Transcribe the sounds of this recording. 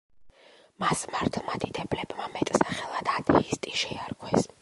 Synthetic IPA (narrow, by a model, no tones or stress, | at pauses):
masmaɾt̪ʰlˠmad̪id̪ɛblɛbmamɛt̪ʼsaχɛlˠad̪̥ad̪ɛist̪ʼiʃɛaɾkʰwɛs